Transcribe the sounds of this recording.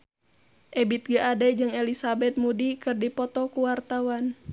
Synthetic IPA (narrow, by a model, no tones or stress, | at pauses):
ʔɛbit̪̚ɡəʔadɛd͡ʒɨŋɛlisabɛt̪̚mudikɨrdipɔt̪ɔkuwart̪awan